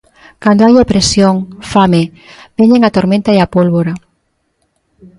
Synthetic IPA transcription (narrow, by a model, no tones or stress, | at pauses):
kand̪oajapɾesjoŋfame | beɲeŋat̪oɾmẽnt̪aeapolβoɾa